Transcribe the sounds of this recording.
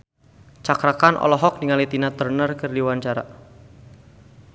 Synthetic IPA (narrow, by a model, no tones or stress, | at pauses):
t͡ʃakɾakanʔɔ̰lɔɦɔk̚niŋalit̪inat̪ərnərkɨrdiwaɲt͡ʃaɾa̰